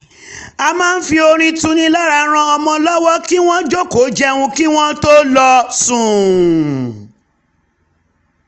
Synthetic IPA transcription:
a˧mãː˦n̩˦fi˧o˧ɾ̃ĩ˧tũ˧˦nĩ˧˦la˦ɾa˧ɾ̃ã˧ɔ˧mɔ̃˧lɔ˦wɔ˦ki˦w̃ɔ̃˦d͡ʒo˦ko˨˦d͡ʒɛ˦wũ˧ki˦w̃ɔ̃˦to˦lɔ˧sũ˨

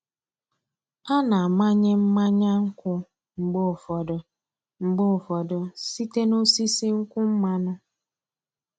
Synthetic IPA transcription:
a˦na˨a˨ma˦ɲɪ˦m̩˦ma˦ɲa˦ŋ̩˦kʷʊ˦ | ŋ͡m̩˨ɡ͡bo˦ʊ˨fɔ˨dʊ˨ | ŋ͡m̩˨ɡ͡bʊ˦ʊ˨fɔ˨dʊ˨si˦te˦no˦si˦si˦ŋ̩˦kʷʊ˦m̩˦ma˦nʊ˦

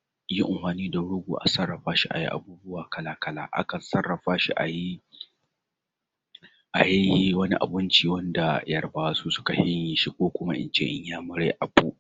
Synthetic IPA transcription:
ji˦ʔɪ˨mhaː˨niː˦da˨ɽʊ˦ɡʷuː˨ʔa̰˨sɐ˦rːɐ˨ɸaː˦ʃi˦ʔa̰˨jḭ˦ʔa̰˨buː˦bʊ˦waː˨kɐ˦laː˦kɐ˦la̰ː˦ʔa̰˦kɐ˨nsɐ˦rːɐ˨ɸaː˦ʃḭ˦ʔa˨ji˦ | ʔa˨jɐ˦ji˦wɐ˦ni˦ʔa̰˨bɪ˦nt͡ʃiː˨wɐ˦nda˨jɐ˦rbaː˦su˦sʊ̥˦ka˨hɪ˦ɲjɪ˨ʃi˦kʷoː˦kʷʊ˦ma˦ʔɪ̰˦nt͡ʃḛː˦ʔɪ̰˦ɲjaː˦mʊ˦ɾḛ˦ʔa˨bu˦ʔ

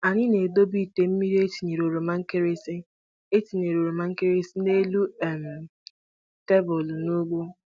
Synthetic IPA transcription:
a˨ɲɪ˦ne˨do˦bi˦˨te˨m̩˦mi˦ɾi˦e˦ti˨ɲe˨ɾo˨ɾo˨ma˦ŋ̩˦ke˦ɾe˦si˦ | e˦ti˨ne˨ɾo˨ɾo˨ma˦ŋ̩˦ke˦ɾe˦si˦ne˦lu˦ɛ˦m̩˨ | te˦bɔ˨lno˦ɡ͡bo˦

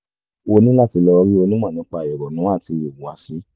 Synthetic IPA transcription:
o˧nĩ˦la˦˨ti˧lɔ˧ɾi˦o˧nĩ˦mã˦˨nã˨˦k͡pa˧˨jɔ˨ɾɔ˨nũ˨˦a˦˨ti˧je˨ɡũ˨wa˨˦si˨˦

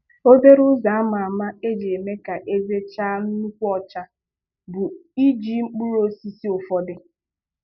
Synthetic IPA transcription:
o˦be˦ɾʊ˦za˨a˦ma˨a˨ma˦e˦d͡ʒe˨e˨me˦ka˨ʔe˦ze˦t͡ʃa˦nu˦kʷu˦ɔ˦t͡ʃa˨ | bʊ˨i˦d͡ʒi˦ŋ͡m̩˦k͡pu˦ɾo˦si˦si˦o˨fɔ˨dɪ˦

